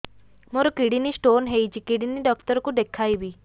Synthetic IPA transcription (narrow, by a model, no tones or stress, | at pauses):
moɾokiɽinisʈonɦejt͡ʃʰikiɽiniɖɔkt̪əɾɔkud̪ekʰajbi